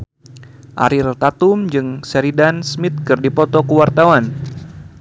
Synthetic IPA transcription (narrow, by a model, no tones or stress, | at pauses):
ʔa̰ɾirt̪at̪umd͡ʒɨŋsɛɾidansmit̪̚kɨrdipɔt̪ɔkuwart̪awan